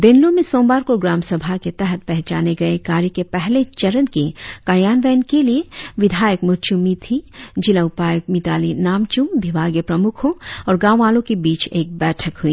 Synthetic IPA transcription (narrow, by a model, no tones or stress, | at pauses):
d̪ɪnlõmẽsõːmbaːɾkoɡɾaːmsɐbʱaket̪ɛɦət̪̚pɛɦt͡ʃaːneɡɐekaːɾjikepɛɦlet͡ʃɐɾənkekaɾjaːnʋɛːnkelieʋɪd̪ʱaːjəkmʊt͡ʃumit̪ʰid͡ʒɪlaʊpaːjək̚mit̪aːlinaːmt͡ʃũmbɪbʱaːɡjəpɾɐmʊkʰõɔːɾɡãːʋʋaːlõkibiːt͡ʃeːk̚bɛːʈʰəkɦʊiː